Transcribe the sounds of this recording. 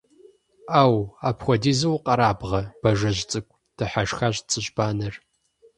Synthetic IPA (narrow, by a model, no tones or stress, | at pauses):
aːwaːpxʷɔdiːzɐwqʼɐɾaːbʁɐb̥ɐʒɐʑt͡sʼɨkʷʼ | d̥ɨħaʂxaɕt͡sʼɨʑbaːnɨr